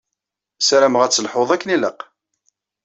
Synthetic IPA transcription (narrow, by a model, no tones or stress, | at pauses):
sæɾæmʁæt͡sːəlħoðˤækːəniləq